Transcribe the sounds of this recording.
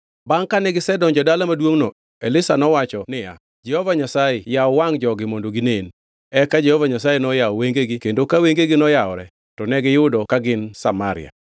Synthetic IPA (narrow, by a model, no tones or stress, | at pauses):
baŋkanɛɡɪsɛdɔnd͡ʒɔdalamadwoŋnɔ | elɪsanɔwat͡ʃɔnɪja̰ | d͡ʒɛhɔvaɲasajejaɔwaŋd͡ʒɔɡɪmondoɡinen | ɛkad͡ʒɛhɔvaɲasajenɔjaɔweŋɡeɡɪkendokaweŋɡeɡɪnɔjaɔɾɛ | tɔnɛɡɪjʊdɔkaɡɪnsa̰maɾɪ̰ja̰